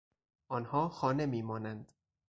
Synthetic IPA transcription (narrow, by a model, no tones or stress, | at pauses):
ʔɒːnhɒːxɒːne̞miːmɒːnænd̪̥